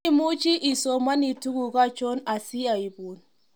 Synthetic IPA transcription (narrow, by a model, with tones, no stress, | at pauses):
i˦mu˦t͡ʃi˦ʔi˨so˦ma˦ni˨tu˦ɡu˨ka˦t͡ʃo˦na˨si˦a˨i˨bu˨n